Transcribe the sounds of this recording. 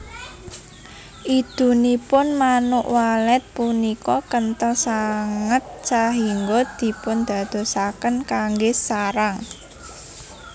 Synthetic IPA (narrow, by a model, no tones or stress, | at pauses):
ʔid̪̥ṳnipʊnmanʊʔwalɛt̪̚punikɔkənt̪əsaŋət̪̚t͡ʃaɦiŋɡɔd̪̥i̤pʊnd̪̥ä̤d̪̥o̤sakənkaŋɡesaɾaŋ